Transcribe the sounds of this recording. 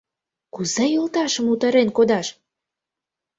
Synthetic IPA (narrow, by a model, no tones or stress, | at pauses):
kuzejolt̪ɑʃə̆mut̪ə̆ɾenkod̪ɑʃ